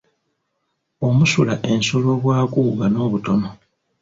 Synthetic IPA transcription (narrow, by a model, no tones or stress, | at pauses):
o̞musulaʔe̞nsolo̞βwaːkuːɡano̞ːβuto̞no̞